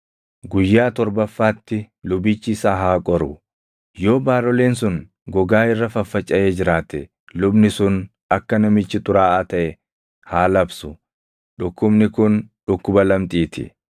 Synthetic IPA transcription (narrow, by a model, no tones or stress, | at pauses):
ɡʊjːaːt̪ɔɾbɐfːaːt̪ːɪ | lʊbɪt͡ʃːɪsaːɦaːkʼɔɾʊ | jo̞ːbaːɾɔle̞ːnsʊn | ɡɔɡaːɪrːɐfɐfːɐt͡ʃʼːɐʔeːd͡ʒɪɾaːt̪ɛ | lʊbnɪsʊn | ɐkːɐnɐmɪt͡ʃːɪt̪ʼʊɾaːʔːt̪ɐʔɛ | haːlɐbsʊ | ᶑʊkːʊbnɪkʊnᶑʊkːʊbɐlɐmt̪ʼiːt̪ʰɪ̰